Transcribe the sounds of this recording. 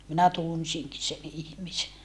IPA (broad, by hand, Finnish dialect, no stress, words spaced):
minæ tunsiŋki sen ihmise